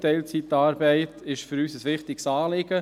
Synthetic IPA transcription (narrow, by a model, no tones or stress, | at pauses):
tɛɪlt͡sit̪ɑːɾbɛɪt̪ʰɪʃfʏɾyːsəsʋɪχtɪɡ̥sɑːlɪɡ̥ə